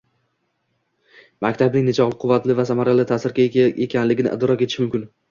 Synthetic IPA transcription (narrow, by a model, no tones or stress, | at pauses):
makʲt̪ʰabnɪŋne̞t͡ʃʰɒʁlˠɪqʰʊvːat̪lɪvasamaɾalɪt̪ʰasɪɾɡʲaekʲʰanlɪɡʲɪnɪ̰ʔɪ̰d̪ɾɒket̪ʰɪ̥ʃmʊmkʲɪn